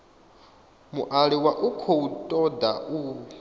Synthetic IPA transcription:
muʔaɺiwaʔukʰoutʼɔda̰ʔu

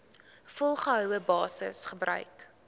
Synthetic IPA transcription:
fɔlˠχəɦœwəbɑːsə̰sχəbrœ̰ɥk

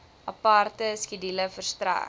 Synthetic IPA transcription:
ʔɐpartəskidiləfərst̪ra̰ː

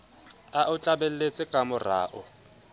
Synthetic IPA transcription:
aʔʊt͡ɬʼabel̩let͡sʼɪkʼamʊra̰ːʔʊ

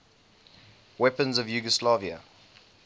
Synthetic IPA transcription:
wɛpə̃nzəvjuɡəslaviə̰

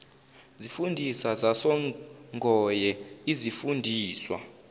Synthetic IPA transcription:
zifundʱisazasɔŋʱɔjɛizifundʱiːswa̰

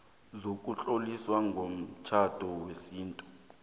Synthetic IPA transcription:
zok̬ʼuɬʼoliswaŋɡʱom̩t͡ʃʰad̥ʱɔwesiːntʼu

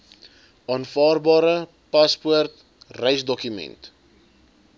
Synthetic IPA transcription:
ɑːnfɑːrbɑːɾə | pɐspuərt | rɛjsdɔkymɛ̰nt

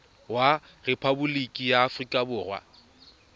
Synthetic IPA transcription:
wa | repʰabʊlikʼijaːfrikʼabʊːrwa̰

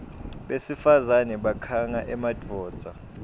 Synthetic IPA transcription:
ɓesifazanɛɓakʰaŋaʔɛmad̥ʱɔːd̥z̥ʱa

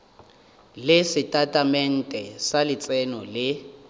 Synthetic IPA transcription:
lɪsɪtʼatʼamɛn̩tʼɛsalɪt͡sʼɛnɔlɪ

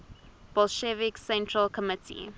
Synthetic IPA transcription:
b̥ɔlʃɛviksɛ̃ntʰɹəlkʰɔmɪtʰḭ

